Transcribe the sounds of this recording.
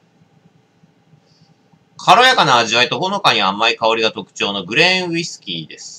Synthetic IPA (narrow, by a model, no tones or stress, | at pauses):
kʰaɾo̞jakanaːʑiβait̪o̞bo̞no̞kaɲ̟iamːaikao̞ɾʲiɡat̪o̞kɯ̟̥t͡ɕo̞ːno̞ɡɯ̟ɾẽ̞ɰ̃isɨ̥kʲiːd̪e̞sɨ̥